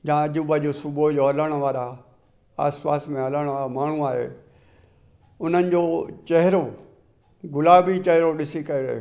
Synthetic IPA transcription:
d͡ʑãːɐʄubad͡ʑoːsʊbod͡ʑoɐləɽ̃ʋaːɾa | a̰ːspaːsmẽɐləɽ̃aːamaːɳ̤ũaːɦḛː | ʊn̤ənɪ̆d͡ʑoːt͡ɕɐɦɪɾo | ɡʊlaːbit͡ɕɐɦɾoɗɪsikɐɪɾḛ

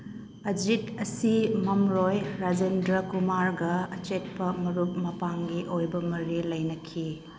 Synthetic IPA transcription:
ɐd͡ʒitɐsimɐmɾojɾad͡ʒendɾɐkumaɾɡɐɐt͡ʃet̚pɐmɐɾup̚mɐpaŋɡiʔojbɐmɐɾilɐjnɐkʰi

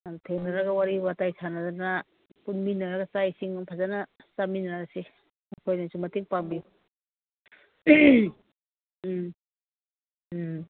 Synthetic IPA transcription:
tʰeŋnaɾaɡawaɾibatajsʰanadana | punminːaɾaɡasajsiŋpʰazanasaminaɾase | makʰojnasumatiŋpaŋbi

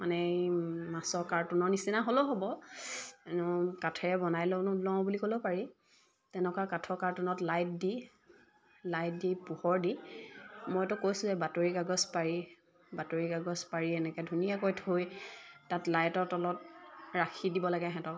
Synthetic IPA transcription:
manɛmasɔɹkaɹtunɔɹnisinaɦoloɦobɔ | nɔkatʰɛɹɛbɔnajlɔnlɔŋbulikolɔpaɹi | tɛnɛkakatʰɔkaɹtunɔtlajt̚di | lajtdipuhɔɹdi | mojtʊkojsʊ̃zɛbatoɹikaɡɔspaɹi | batoɹikaɡɔspaɹiɛnɛkɛdʱunijakojtʰojtatlajtɔɹtɔlɔt̚ɹakʰidibɔlaɡɛɦɛ̃tɔ

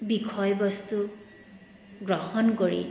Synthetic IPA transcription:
bikʰɔjbɔst̪u | ɡɹɔhɔnkɔɹḭ

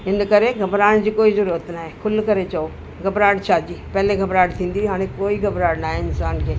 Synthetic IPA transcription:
ɪnd̪kɐɾeɡʱɐbɾaːɳ̃d͡ʒikoːizʊɾət̪naːɦekʰʊlkɐɾet͡ʃɐo | ɡʱɐbɾaːɽt͡ʃʰaːd͡ʒiːpɛːleɡʱɐbɾaːɽt̪ʰĩːnd̪iɦaːɽ̃ekoːiɡʱɐbɾaːɽnaːɦeɪnsaːnkeː

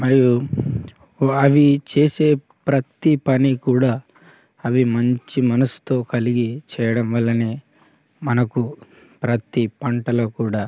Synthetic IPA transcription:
mɐɾiju | ɐʋit͡ʃeːse̞ː | pɾɐt̪ipɐnikuːɽaː | ɐʋimɐɲt͡ʃimɐnɐsu̥t̪o̞ːkɐliɡit͡ʃɛːjɐɽɐmʋɐlːɐneː | mɐnɐku | pɾɐt̪ipɐɳʈɐloːkuːɽaː

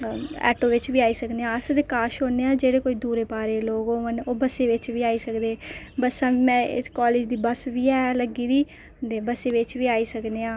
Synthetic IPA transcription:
ɛ̰ːʈõːʋɪt͡ʃʋiːaːiːsəkd̪eːãːəsd̪eːkaːʃoːneːãːd͡ʒeːɽeːkoːiːd̪uːɾeːpaːɾeːloːɡoːənoːbəseːʋɪt͡ʃʋiːaːiːsəkd̪eːbəsãːʋimɛ̃ːɪ̰kaːleːd͡ʒd̪iːbəsʋiːɛːləɡiːd̪iː | d̪eːbəseːʋɪt͡ʃʋiːaːiːsəkd̪eːãː

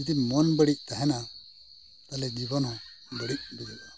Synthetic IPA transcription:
it̪imɔnbəɽic̚t̪aɦɛna | t̪alɛd͡ʒibɔnhɔ̃ | bəɽic̚bid̪ɔʔa

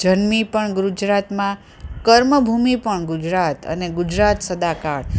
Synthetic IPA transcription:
d͡ʒənmipəɳɡɾud͡ʒɾat̪mã | kəɾməbʱumipəɳɡʊd͡ʒɾat̪ə̰neɡʊd͡ʒɾat̪səd̪akaɭ

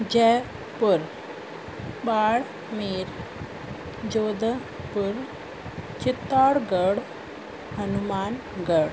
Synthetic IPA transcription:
d͡ʑɛ | pəɾ | baɭ | miɾ | d͡ʑod̪ə | puɾ | t͡ɕit̪ːaɽɡəɽ | ɦənumaːn | ɡəɽ

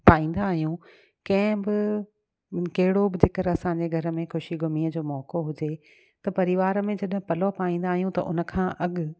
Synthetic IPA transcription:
paːĩːn̆d̪aːɦijũ | kɐ̃ɦɪ̃bɪ | kɐɦɪɽobɪd͡ʑɪkəɾɐsãːɲd͡ʑeɡʱɐɾə̆mẽxʊʃiɡʱʊmiːəd͡ʑoːmɔːkoɦʊd͡ʑe | t̪ɐpɐɾɪʋaːɾəmẽd͡ʑɐɗɦɪ̃pɐlopaːĩːn̆d̪aːɦijũt̪ɐ̰ʔʊ̰nə̆kʰãːʔɐɠʊ

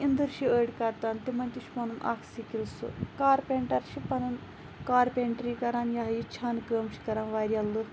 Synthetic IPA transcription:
ind̪ɨɾʃiəːɖkɐɾt̪aːnt̪imɐnʲt̪ʲiʃʰpɐnunʔa̰ːkʰsikilsṵkaːɾpʲeːɳʈɐɾʃʰipɐnun | kaːɾpʲeɳʈɾiːkɐɾaːnjaːɦjit͡ʃʰaːnkəːmʃʰi̥kɐɾaːnʋaːɾʲjɐlːu

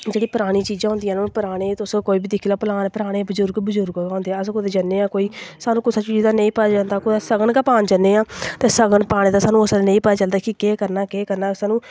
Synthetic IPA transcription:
d͡ʒeːɽiːpəɾaːɽ̃iːt͡ʃiːd͡ʒãːɦʊ̃ːnd̪iːãːnːpəɾaːɽ̃eːt̪ʊskoːiːbiːd̪ɪkʰilaːpəlaːnpəɾaːɽ̃eːbəzʊɾɡbəzʊɾɡaːʊ̃ːnd̪eːaːəskʊd̪eːd͡ʒənːeːãːkoːiːsaːnũːkʊsat͡ʃiːzd̪aːnẽĩːpəjaːd͡ʒaːnd̪aːkʊd̪aːsəɡəɳkaːpaːnd͡ʒənːeːãːt̪eːsəɡəɳpaːɽ̃ẽːd̪aːsaːnũːəsnẽĩːpəaːt͡ʃəld̪aːkɪkeːkəɾnaːkeːkəɾnaːsaːnũː

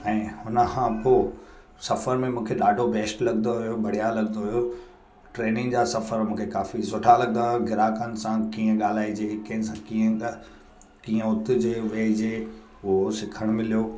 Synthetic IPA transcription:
ɛ̃ːhʊnəkʰãpoː | sɐfəɾmẽmũːkʰeɗaːɖʱobʱeːsʈlɐɡnd̪oɦʊjobʱɐɽ̤ijalɐɡənd̪oɦujo | ʈɾeːnɪ̃ŋɡd͡ʑaːsɐfəɾmũːkʰekaːfisoːʈʰalɐɡənd̪aɡɪɾaːkənɪ̆sãkiːə̃ɠaːl̤aːid͡ʑeːkɐ̃ɦɪnɪsãkiːə̃ | kiːə̃ʊt̪ʰɪ̆d͡ʑeːʋeːd͡ʑeː | ʊɦosɪkʰəɽ̃mɪlijoː

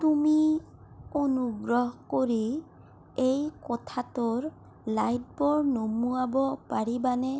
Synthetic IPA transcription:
tumi | onuɡɹɔɦkoɹi | ejkɔtʰatʊɹ | lajt̚pɔɹnomuabɔpaɹibanɛ

